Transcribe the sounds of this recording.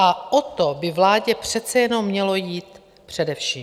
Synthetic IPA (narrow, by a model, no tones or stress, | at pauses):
ʔaʔot̪o̞bɪvlaːɟɛpr̥ɛt̪t͡sɛjɛno̞mːɲɛlo̞jiːt̪ | pr̝̥ɛdɛfʃiː